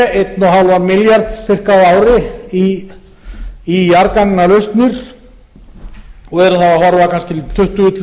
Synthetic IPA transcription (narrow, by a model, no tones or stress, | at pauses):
ejt̪nawhalvaɾmɪljaɾt̪sɪr̥kaðaːwɾɪi | ijaɾkannːalœɥst̪nɪɾ̥ | ɔɣɛɾʏθavahaɾvakʰanscɪ̥t̪ʰʏht̪ʏʏt̪ʰɪ